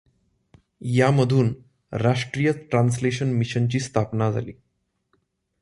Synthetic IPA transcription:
jaməd̪ʱuːn | ɾaʂʈɾiːjət͡sʈɾans̬leɕənmiɕənt͡ɕiːst̪ʰapnad͡zʱa̰liː

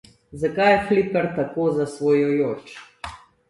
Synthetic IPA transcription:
zakajxlipəɾt̪akoːzasʋoːjɔjoːt͡ʃ

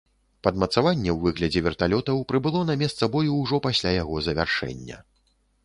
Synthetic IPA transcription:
pɐd̪mɐt̪savanʲːɛwvɨɣlʲɐd͡zʲɛvʲɛrt̪alʲɔt̪ɐwpɾɨbɨlˠɔnɐmʲɛst̪sɐbɔjuwʐɔpasʲlʲajaɣɔzɐvʲa̰rʂɛ̰nʲːɐ̰

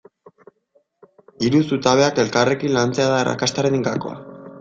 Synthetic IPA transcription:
iɾusut̪aβe̞ake̞lkare̞kinlant͡se̞aðaːra̰kast̪aɾeniŋkako̞̰a̰

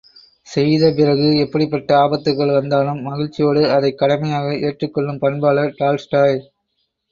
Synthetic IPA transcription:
sɛjðɐp̬ɪrɐɣɯɛpːɐɽɪpːɐʈːɐaːbɐt̪ːɯkːɐɭʋɐnd̪aːlɯmːɐɣɪɻt͡ʃːɪjoːɽɯɐðɐɪkːɐɽɐmɐjaːɣɐʔeːʈrɯkːɔɭːɯmpɐnbaːlɐʈaːlsʈaːj

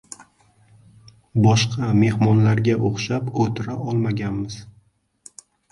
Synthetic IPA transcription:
bɒʃqʰɑme̞hmɒnlaɾɡʲaʔoχʃapkʰɵt̪ʰɪɾaʔɒlˠmaɡʲanmɪz̥

